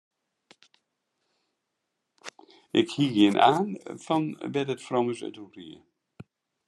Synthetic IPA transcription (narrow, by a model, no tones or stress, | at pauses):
ɪkhiːɡiənʔa̰ːnfɔnʋɛtətfrɔməsœ̰torḭə